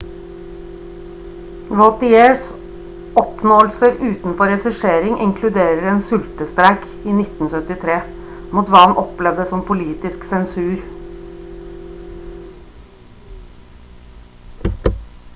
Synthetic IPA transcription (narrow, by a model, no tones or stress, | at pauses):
ɹot̪ɪeːɹs | ɔpnoːlsəɾʉːt̪n̩fɔɾɛsɪʂeːɾɪŋʔɪŋkʰlʉd̪eːɾəɾeːnsʉlt̪əst̪ɾæk | iːnɪt̪n̩sœt̪ɪt̪ʰɾeː | muːt̪ʋɑːɑnʔɔplɛʋd̪əsɔmpʰʊliːt̪ɪsksɛnsʉːɾ